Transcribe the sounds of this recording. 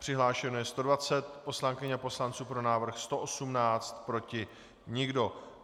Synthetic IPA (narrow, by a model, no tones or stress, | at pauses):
pr̝̥ɪɦlaːʃɛnojɛst̪o̞dvat͡sɛt̪po̞slaŋkɪɲapo̞slant͡suːpɾo̞naːvr̩xst̪o̞ʔosumnaːt͡st̪pɾo̞cɪ | ɲɪɡdo̞